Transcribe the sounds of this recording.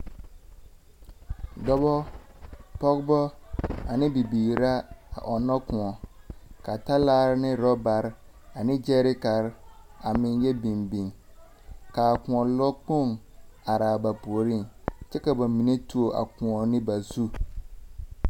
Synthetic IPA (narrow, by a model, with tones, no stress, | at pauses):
dɔ˦bɔ˦ | pɔ˦ɡbɔ˦a˨nɪ̃˦bi˨biː˨ɾa˦a̰˨ʔɔ˨nɔ˦kʊ̃˨ɔ˨ka˨ta˦laː˦ɾɪ˦nɪ̃˦ɾɔ˦ba˨ɾ | a˨nɪ̃˦d͡ʒɛ˦ɾɪ˦ka˨ɾa˨mɪ̃˦njɛ˦bĩ˨mbĩ˨ŋ | ka˨kʊ̃˨ɔ˨lɔ˦k͡po˦˨ŋa˨ɾaː˨ba˨pu˨o˨ɾĩ˦˨ŋt͡ʃɛ˦ka˨ba˨mĩ˨ne˦tʰu˦o˦˨ʔa̰˨kʊ̃˨ɔ˨nɪ̃˦ba˨zu˦